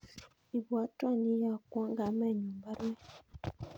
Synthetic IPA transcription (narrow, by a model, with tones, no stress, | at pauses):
i˨bwa˨˦tɔ˦˨ni˦ja˦˨kɔ˦ŋɡa˨˦mɛ˦˨ɲu˨mba˦ɾu˦ɛ˦